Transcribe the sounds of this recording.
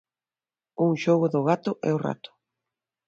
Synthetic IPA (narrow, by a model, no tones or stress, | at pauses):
uŋʃoɣʊðʊɣat̪ʊʔɛ̰ʊra̰t̪ʊ̥